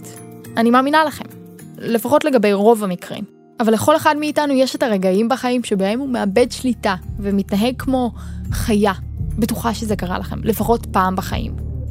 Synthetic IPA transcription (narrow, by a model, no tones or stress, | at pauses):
animaːminalaχe̞mle̞faχo̞tle̞ɡabe̞jʁo̞vamikʁḭm | avalːeχo̞leχadmiːtanujeʃetaʁeɡaimbaχaimʃebaemumeabe̞dʃlitavemitnaɦe̞ɡ̚kʰmo̞χaja | be̞tuχaʃeze̞kaʁa̰laχe̞̰mle̞faχo̞tpaːmbaχa̰ʔḭm